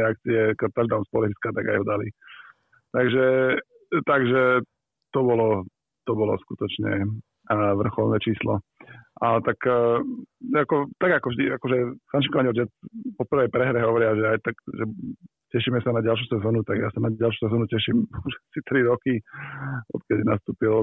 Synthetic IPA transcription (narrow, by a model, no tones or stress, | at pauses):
ɛak̚t͡siɛkat̪aʒd̪aʊnmspɔlifit͡skat̪a̰ɡa̰jɦɔd̪alḭ | t̪aɡʒɛ | t̪aɡʒɛ | t̪ɔbɔlɔ | t̪ɔbɔlɔ̰skut̪ɔt͡ʃɲɛ̰ | ʋr̩xɔlnɛt͡ʃiːslɔ̰ʔat̪ak | akɔt̪aɡakɔvʒd̪iakɔʒɛkanʃikɔʋaɲiɛlt͡ʃɛt͡spɔpr̩ʋɛjpɾɛɦɾɛɦɔʋɔɾɪaʒɛajt̪aɡʒɛ | cɛʃiːmɛsanaɟalʃ̬usɛzɔːnut̪aɡjaːsanaɟalʃ̬u̥ːsɛzɔːnucɛʃimuʒɛsit̪ɾiɾɔki | ɔ̰t̪̚kɛɟnast̪uːpil